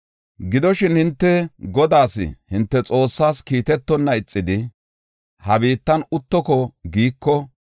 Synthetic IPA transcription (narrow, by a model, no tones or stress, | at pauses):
ɡɪd̪ɔʃɪnhɪnt̪ːɛɡɔd̪aːsɪ̰hɪnt̪ːɛt͡sʼo̞ːsːaːskiːt̪ɛt̪ːɔnːɐɪt͡sʼːɪd̪ɪ | hɐbiːt̪ːɐnʊt̪ːɔkɔɡiːkːɔ